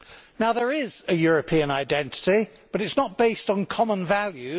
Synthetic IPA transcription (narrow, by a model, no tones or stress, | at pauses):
naʊðə˞ɪz̥ɨjɔɹəpʰĩə̃naɪdɛ̃ntɪ̥ti | b̥ʌɾɨtsnət̚b̥eɪstn̩kʰɒmə̃nvalˠjʉ